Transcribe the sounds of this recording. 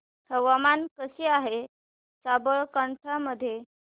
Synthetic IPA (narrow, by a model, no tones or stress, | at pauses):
həʋamankəɕiːaɦe | sabəɭkəɳʈʰaməd̪ʱːje